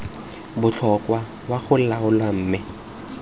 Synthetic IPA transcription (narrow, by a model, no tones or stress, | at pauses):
bʊt͡ɬʰɔkʼwa | waɣʊl̩laʊlwam̩ːmɪ